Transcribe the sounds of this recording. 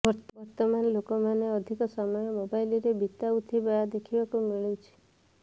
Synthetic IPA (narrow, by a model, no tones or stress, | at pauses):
bɔɾbɔɾt̪ɔmanɔlokɔmaneɔd̪ʱikɔsamɔjɔmobajliɾebʱit̪aut̪ʰibajad̪ekʰibakumiɭewt͡ʃʰi̥